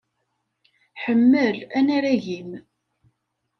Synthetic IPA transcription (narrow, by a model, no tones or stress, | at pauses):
ħəmːəlænæɾæʝim